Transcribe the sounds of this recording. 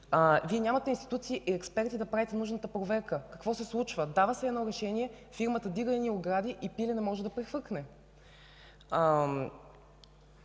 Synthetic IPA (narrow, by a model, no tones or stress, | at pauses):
viɛnʲamɐt̪ɛinst̪i̥t̪ut̪siːʔiɛkspɛɾt̪id̪ɐpɾavit̪ɛnuʒnət̪əpɾovɛɾkəkɐkvɔsɛslˠut͡ʃvəd̪avəsɛɛd̪nɔɾɛʃɛnʲiɛ | fiɾmət̪əd̪iɡəinioɡɾad̪ʲiʔipilʲɛnɛmɔʒɛd̪ɐpɾɛxvɤɾknɛ